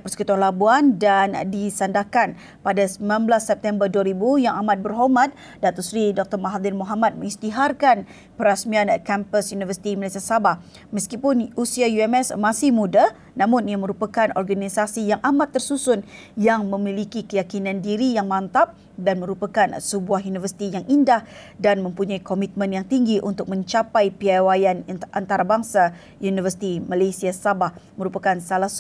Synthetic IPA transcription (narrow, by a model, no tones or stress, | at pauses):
pərsə̥kut̪uanlabuandandisandahkan | padasəmanblasːɛp̚t̪ɛmbərduaɾibujaŋamãt̪̚bərɦɔmãt̪̚ | dat̪ɔsɾidɔk̚t̪ɔrmaɦad̪ɪnmoɦamat̪̚məŋist̪iɦarkan | pəɾasmiankɛmpəsjunivərsi̥t̪iməlasiasabah | məskipʊnusiajuɛmɛsmasɪhmuda | nãmʊniaməɾupakanɔrɡanisasijaŋʔamat̪ːərsusʊn | jaŋmə̃milikikəjakinãndiɾijaŋmãnt̪ap̚ | danmə̃ɾupakansəbuahjunivərsi̥t̪ijaŋʔindahdanmə̃mpuɲaikomit̪̚mə̃njaŋt̪iŋɡiʔṵnt̪ʊk̚mə̃ɲt͡ʃapajpiawajanʔant̪aɾabaŋsa | junivərsi̥t̪imalasiasabahməɾupakansalahs